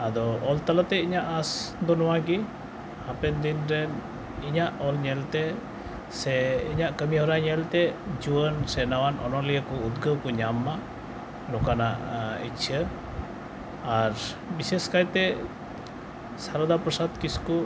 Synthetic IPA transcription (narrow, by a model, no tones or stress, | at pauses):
ad̪ɔɔlt̪alat̪ɛiɲaʔasd̪ɔnɔwaɡi | hapɛnd̪inɾɛ | iɲaʔɔlɲɛlt̪ɛ | sɛiɲaʔkəmiɦɔɾaɲɛlt̪ɛd͡ʒuwənsɛnawanʔɔ̰nɔlijəkɔud̪ɡəwkɔɲamːa | nɔkana̰ʔit͡ʃʰə | aɾ | biseskajt̪ɛ | saɾɔd̪apɾɔsad̪kisku